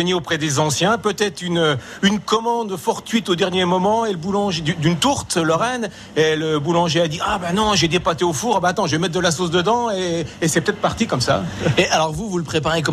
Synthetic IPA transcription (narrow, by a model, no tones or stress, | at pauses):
əniopχɛd̪ezɑ̃sjɛ̃pøt̪ɛt̪χynø | ynkɔmɑ̃d̪fɔʁt̪ɥit̪od̪ɛʁnjemɔmɑ̃eləbulɑ̃ʒed̪yd̪ynt̪uʁt̪lɔʁɛn | eləbulɑ̃ʒead̪iabanɔ̃ʒed̪epat̪eofuʁabaat̪ɑ̃ʒəvɛmɛt̪χd̪əlasos̬d̪əd̪ɑ̃eːsɛpət̪ɛt̪χpaʁt̪ikɔmsa̰eʔalɔʁvuvulpχepaʁekɔ